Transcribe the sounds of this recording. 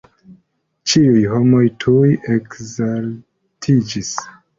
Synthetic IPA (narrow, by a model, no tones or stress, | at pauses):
t͡ʃiujɦo̞mo̞jtʰujekzal | tʰid͡ʒis